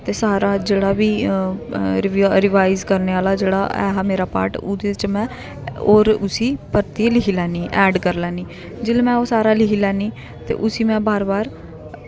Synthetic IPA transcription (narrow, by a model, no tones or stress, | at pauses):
t̪eːsaːɾaːd͡ʒeːɽaːbiː | ɾɪʋɾɪʋaːɪzkəɾneːaːlaːd͡ʒeːɽa̰ːɛ̰ːɦaːmeːɾaːpa̰ːɾʈʊ̰d̪eːɪt͡ʃmɛ̃ː | oːɾʊsiːpəɾt̪iːlɪkʰiːlɛːniːʔɛːɖkəɾlɛːniː | d͡ʒɪlmɛ̃ːoːsaːɾaːlɪkʰiːlɛːniː | t̪ḛːʔʊsiːmɛ̃ːbaːɾbaːɾ